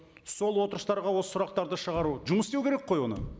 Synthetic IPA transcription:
so̞lˠwo̞t̪əɾəst̪ɑɾʁɑwo̞sə̥sʊɾɑqt̪ɑɾd̪əʃəʁɑɾuʒʊməst̪ewkʲʰeɾekqʰːojwo̞nə̰

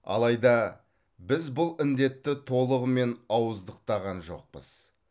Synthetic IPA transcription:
ɑ̰lˠɑjd̪ɑ | bɪzbʊlˠɪnd̪e̞t̪ːɪt̪ʰo̞lˠəʁəme̞nɑwəzd̪əq̚t̪ɑʁɑnʒo̞̰q̚pə̰z̥

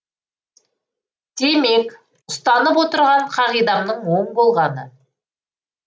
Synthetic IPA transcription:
d̪̥e̞me̞k | ʊst̪ɑnəpwo̞t̪əɾʁɑɴqʰɑʁijd̪ɑmnəɴwo̞ɴbo̞lˠʁɑnə

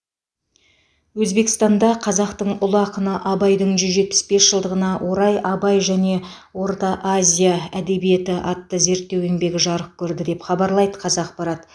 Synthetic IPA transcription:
wɵzbe̞kʲɪ̥st̪ɑnd̪ɑqʰɑzɑqt̪əɴʊlˠɑqənəʔɑbɑjd̪əɴʒʏzʒet̪̚pɪ̥sbe̞sʒ̥əlˠd̪əʁənɑwʔo̞ɾɑjɑbɑjʒæne̞ | wo̞ɾt̪ɑʔazʲijaæd̪e̞bije̞t̪ɪʔɑt̪ːəze̞ɾt̪ːe̞weŋbe̞ɡʲɪʒɑɾəq̚kʲʰɵɾd̪ɪd̪e̞pχɑbɑɾlˠɑjd̪əqʰɑzɑq̚bɑɾɑt̪

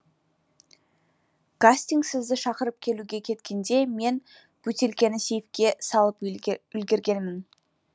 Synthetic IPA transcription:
kasʲt̪iŋɡsɪzd̪ɪʃɑqəɾəp̚kʲʰe̞luɡʲe̞kʲʰe̞t̪kʲe̞nd̪e̞me̞n | b̥ʉt̪e̞lkʲe̞nɪse̞jɪfkʲe̞sɑlˠəpʏlɡʲeɾɡʲe̞nmɪn

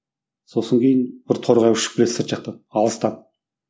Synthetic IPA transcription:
so̞səŋkʲʰe̞jɪnbɪɾt̪ʰo̞ɾʁɑjɪʃɪ̥k̚bɪlesɪɾt̪ʒɑq̚t̪əɑlˠəst̪ɑn

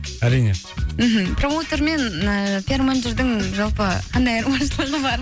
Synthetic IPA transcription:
aɾinə | m̩ɦəpromot̪oɾmenpʰeɾmand͡ʒəɾd̪əŋʒalˠpəqʰand̪ajaɾmaɾsəlˠəʁəbaɾ

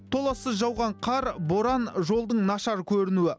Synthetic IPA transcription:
t̪ʰo̞lˠɑsəzʒɑwʁɑɴqʰɑɾbo̞ɾɑnʒo̞lˠd̪əɴnɑʃɑɾkʲʰɵɾɪnuɪ

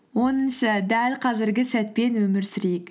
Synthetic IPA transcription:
wo̞nənʃɑd̪ælqʰɑzɪɾɡʲɪsæt̪̚pe̞nwɵmɪɾsɪɾek

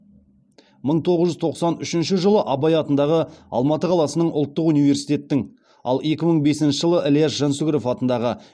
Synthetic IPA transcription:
məɴt̪ʰo̞ʁəzʒʏzt̪ʰo̞qsɑnʏʃɪnʃɪʒəlˠəʔɑbɑjɑt̪ənd̪ɑʁəɑ̰lˠmɑt̪əqʰɑlˠɑsənəɴʊlˠt̪ːəqunijve̞rsijt̪e̞t̪ːɪŋ | ɑ̰lˠe̞kʲɪməɴbe̞sɪnʃɪʒəlˠəʔeljasʒensuɡɾofɑt̪ənd̪ɑʁə

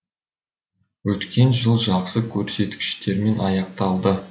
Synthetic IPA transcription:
wɵt̪kʲe̞nʒəlˠʒɑqsəkʲʰɵɾse̞t̪kʲɪ̥ʃt̪e̞ɾme̞nɑjɑq̚t̪ɑlˠd̪ə

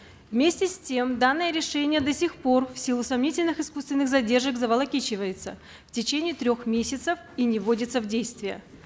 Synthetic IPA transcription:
vmʲesʲtʲɪsʲtʲe̞md̪anːəjəɾʲɪʂɛnʲɪjəd̪ɐsʲɪxpo̞rfsʲilˠʊsɐmnʲitʲɪlʲnɨxɪskust̪vʲɪnːɨxzɐdʲe̞rʐəkzəvəlˠɐkʲit͡ɕɪvəjɪt̪sə̰ | ftʲɪt͡ɕenʲɪːɪt̪ɾʲo̞xmʲesʲɪt̪səf | inʲɪvodʲɪt̪səvdʲejst̪vʲɪjə̰

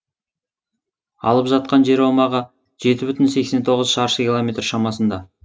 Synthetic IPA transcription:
ɑ̰lˠəpʒɑt̪̚qɑnʒe̞ɾɑmɑʁə | ʒ̥e̞t̪ɪbʏt̪ɪnse̞kse̞nt̪ʰo̞ʁəzʃɑɾʃəkʲilˠomʲe̞t̪rʃɑmɑsənd̪ɑ

